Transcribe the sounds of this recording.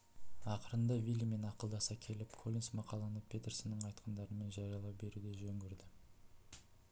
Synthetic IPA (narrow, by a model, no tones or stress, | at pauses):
ɑqəɾənd̪ɑvʲilʲime̞nɑqəlˠd̪ɑsɑkʲʰe̞lɪpkʰolʲinsmɑqɑlˠɑnəpʲʰe̞t̪ersɪnəɴɑjt̪qʰənd̪ɑɾəme̞nʒɑɾijɑlˠɑwbe̞ɾud̪e̞ʒɵŋɡʲeɾd̪ɪ